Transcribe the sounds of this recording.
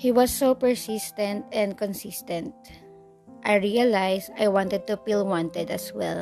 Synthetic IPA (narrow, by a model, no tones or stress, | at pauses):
hiwʌsːopɛɹsɪst̪ɛ̃nt̪ɛ̃nd̪̚kɔ̃nsɪst̪ɛ̃nt̪̚ | ʔajɹialajsajwɑ̃nt̪ɛd̪̚t̪ufilwɑ̃nt̪ɛd̪ɐswɛ̰l